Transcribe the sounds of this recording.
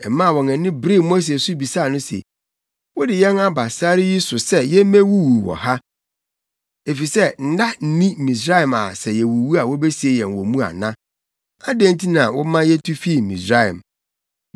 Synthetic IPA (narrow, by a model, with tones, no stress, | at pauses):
ɛ˨mã˦˨wɔ̃˨nɛ̃˨nɪ̃˦bɾɪ˦mo˦s̬e˨sʊ˦bi˨sa˦˨nʊ̃˦sḛ˨ | wɔ˦dɪ˨jɛ˦na˦ba˨sa˦ɾɪ˦ji˦sʊ˨sɛ˦jɛ˦mæ̃˦wu˦wu˨wɔ̰˨ha˦ | e˨fi˨sɛ˦˨n̩˦da˦n̩˦nĩ˦˨mĩ˨s̬ɾa˦ɪ˨ma̰˨sɛ˨jɛ˨wu˨wu˦a˨wo˦be˦si˨e˦jɛ̃˨nwɔ˨mũ˦a̰˨nã˦ | a˦dẽ˦ntʰi˦nã˨wɔ˦mã˦jɛ˦tʰu˦fi˦˨mḭ̃˨sɾa˦ɛ̰˨m